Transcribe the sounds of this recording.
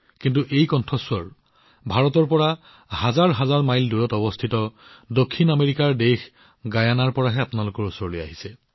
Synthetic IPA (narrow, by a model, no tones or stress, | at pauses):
kintuʔejkɔntʰɔswɔɹ | bʱaɹɔtɔɹpɔɹa | hazaɹɦazaɹmajldojɔtɔbɔstʰitɔdokʰːinameɹikaɹdex | ɡajanaɹpɔɹaɦɛapunalokɔɹusɔɹloja̰ɦisɛ